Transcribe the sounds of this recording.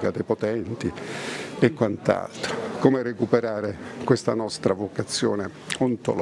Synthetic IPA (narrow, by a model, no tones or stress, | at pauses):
kad̪ejpot̪ɛnt̪i | ekːwant̪a̰lt̪ɾokoːmeɾekupeɾaːɾekwest̪a̰nɔst̪ɾavokat̪sːjoːne | ɔnt̪o̰l